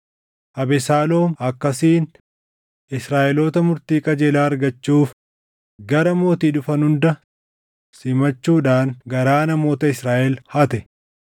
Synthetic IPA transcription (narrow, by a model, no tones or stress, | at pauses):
ʔɐbɛsaːlo̞ːmɐkːɐsiːn | ʔɪsɾaːʔɛloːt̪ɐmʊɾt̪iːkʼɐd͡ʒeːlaːɐɾɡɐt͡ʃːuːf | ɡɐɾɐmo̞ːt̪iːᶑʊfɐnhʊnd̪ɐ | sɪmɐt͡ʃːuːᶑaːŋɡɐɾaːnɐmo̞ːt̪ɐɪsɾaːʔɛlhɐt̪ɛ